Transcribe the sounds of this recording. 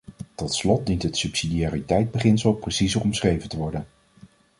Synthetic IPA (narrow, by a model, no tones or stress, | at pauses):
tɔtslɔt̚dintɦətsʉpsidiaːritɛjd̚bəχɪnsəlˠprəsizərɔmsχrejvəntəʋɔɹdən